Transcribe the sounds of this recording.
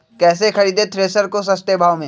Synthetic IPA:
kɛːsexɐɾiːd̪et̪ʰɾeːsəɾkos̬ɐst̪ebʱaːʋmẽ

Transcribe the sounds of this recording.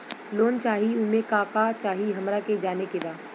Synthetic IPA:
loːnt͡ʃaːɦiʊmẽkakat͡ʃaːɦiɦɐmɾaked͡ʒaːnekebaː

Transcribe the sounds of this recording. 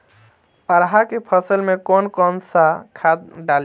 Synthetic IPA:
pəɾɦakepʰəsəlmẽkɔːnkɔːnsakʰat̪ɖal

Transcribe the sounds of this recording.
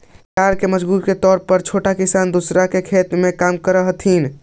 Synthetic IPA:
kaɾkeməd͡ʒbuɾket̪ɔːɾpəɾt͡ʃʰoʈakisand̪usɾakekʰet̪mekamkəɾəɦt̪ʰin

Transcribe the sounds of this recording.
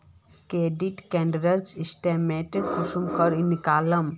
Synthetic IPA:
keɖiʈkɛ̃ɳɖɾəɾsisʈemeʈkusumkəɾinikaːləm

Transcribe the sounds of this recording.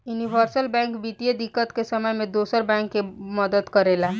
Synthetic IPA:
juniʋəɾsəlbɛ̃ŋkbit̪ijəd̪ikːət̪kesəməjmẽd̪osəɾbɛ̃ŋkːeməd̪əd̪kəɾela

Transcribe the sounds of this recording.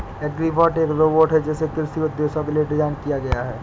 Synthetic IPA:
ɛɡɾibɔːʈeːkɾoːboːʈɦɛd͡ʒɛːsekɪlsiod̪oːsõkelieʈɪd͡ʒaːnkijaɡɐjaɦɛː

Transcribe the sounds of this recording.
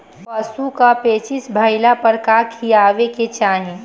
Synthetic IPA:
pəsukapeːt͡ʃɪsbʱəɪlapəɾkakʰiaːʋeket͡ʃaːɦĩ

